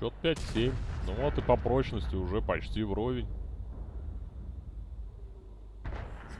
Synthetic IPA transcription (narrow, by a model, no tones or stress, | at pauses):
ot̪̚pʲætʲsʲemʲnoot̪ɨpɐpɾo̞t͡ɕnəsʲtʲɪʊʐɛpɐt͡ɕtʲivɾo̞vʲɪnʲ